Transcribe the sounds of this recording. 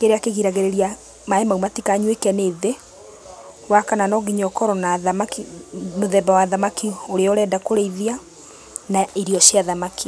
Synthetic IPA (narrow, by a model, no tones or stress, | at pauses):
keɾeakeɣiɾaɣeɾeɾia | maemaumatikaɲwekɛneðe | wakananɔɣiɲɔkɔɾɔnaðamakimoðɛbawaðamakioɾeɔɾɛdakoɾeiðia | naiɾiɔɕjaðamaki